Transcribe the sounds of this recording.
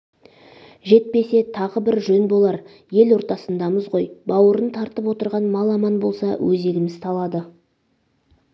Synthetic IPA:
ʒe̞t̪̚pe̞se̞t̪ʰɑʁəbɪɾʒɵnbo̞lˠɑɾ | je̞lwo̞ɾt̪ɑsənd̪ɑməzʁo̞jbɑwəɾənt̪ʰɑɾt̪əpwo̞t̪əɾʁɑnmɑlˠɑmɑnbo̞lˠsɑwʔɵze̞ɡʲɪmɪz̥t̪ʰɑlˠɑd̪ə

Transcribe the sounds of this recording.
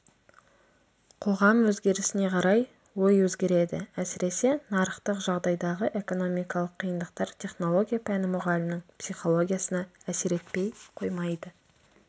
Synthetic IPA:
qʰo̞ʁɑmwɵzɡʲe̞ɾɪsɪne̞qʰɑɾɑj | wo̞jwɵzɡʲe̞ɾe̞d̪ɪ̰æsɪɾe̞se̞nɑɾəχt̪əqʒɑʁd̪ɑjd̪ɑʁəʔe̞ko̞no̞mijkɑlˠəqʰːijənd̪əq̚t̪ɑɾt̪ʲʰe̞χno̞lˠo̞ɡʲijapʰænɪmʊʁɑlʲɪnəɴpsijχo̞lˠo̞ɡʲijasənɑæse̞ɾe̞t̪̚pe̞jqʰo̞jmɑjd̪ə

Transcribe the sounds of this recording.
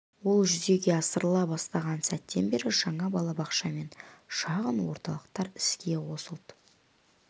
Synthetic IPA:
wo̞lˠʒʏze̞ɡʲe̞ɑsəɾəlˠɑbɑst̪ɑʁɑnsæt̪ːe̞nbe̞ɾɪʒ̥ɑɴɑbɑlˠɑbɑqʃɑme̞nʃɑʁənwo̞̰ɾt̪ɑlˠəqt̪ɑɾɪskʲe̞wo̞səlˠd̪ə

